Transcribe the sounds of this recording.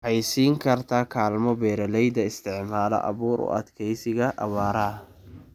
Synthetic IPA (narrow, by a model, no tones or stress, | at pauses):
hɛjsiːŋkʰɐrt̪ʰakʰaːlmɔbɛːɾɛlɛjd̪ɐɪst̪ʰɪʕmaːlɔ̰ʔɐ̰βuːɾʊ̰ʔɐ̰d̪kʰɛjsɪɣɐʔɐβaːɾɐɦ